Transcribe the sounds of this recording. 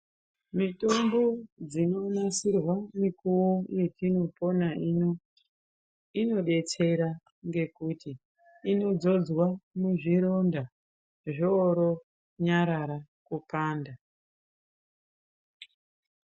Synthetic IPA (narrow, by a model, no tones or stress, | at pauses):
mito̞mbo̞d͡zino̞nasirwamikuwoje̞tino̞po̞nano | ino̞ɗe̞t͡se̞ɾa | ŋɡe̞kutiː | no̞d͡zo̞d͡zwamuʐiɾo̞nda | ʐoɾo̞ | ɲaɾaɾa | kupaːnda